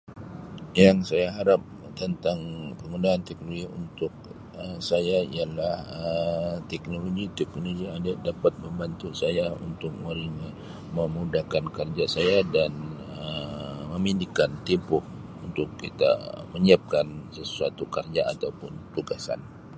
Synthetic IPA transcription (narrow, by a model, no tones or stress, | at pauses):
jaŋsajaɦaɾap̚ | t̪ənt̪aŋpəŋundaːnt̪ɛknoloɡiṵnt̪ʊk̚ | əsajaḭalahət̪ɛknoloɡit̪ɛknoɡidadapat̪̚məmbant̪usajaṵnt̪ʊk̚məɾina | məmudakankərd͡ʒasajadan | əəməmindikant̪impʊh | unt̪ʊkːit̪a̰məɲiap̚kansəsuat̪ukərd͡ʒaat̪awpʊnt̪uɡasa̰n